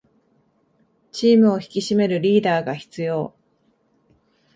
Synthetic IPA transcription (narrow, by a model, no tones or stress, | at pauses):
t͡ɕiːmɯ̟o̞çi̥kʲiɕime̞ɾɯ̟ɾʲiːd̪aːɡaçi̥t͡sɨjo̞ː